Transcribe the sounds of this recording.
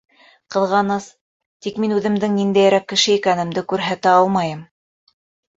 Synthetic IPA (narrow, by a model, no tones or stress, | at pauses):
qɤ̆ðʁɑnɤs | t̪ikminʉðɘ̆md̪ɘŋnind̪æjɾækːɘ̆ʃɘikænɘ̆md̪ɘkʉɾɦæt̪ɘɑlˠmɑjɤm